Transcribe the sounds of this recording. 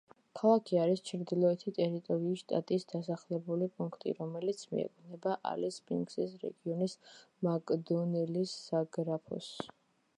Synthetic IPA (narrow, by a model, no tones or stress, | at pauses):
kʰalˠakʰiaɾist͡ʃʰɾd̪ilˠɔɛt̪ʰit̪ʼɛɾit̪ʼɔɾiːsʃt̪ʼat̪ʼiːsd̪̥asaχlɛbulipʼuŋkʰt̪ʼḭɾɔmɛlit̪sʰmḭɛ̰kʰʼnɛbaʔa̰lɛspʼiŋɡsɛsɾɛ̰ɡiɔnis | makʼd̪ɔnɛlisːaɡɾapʰɔ̰s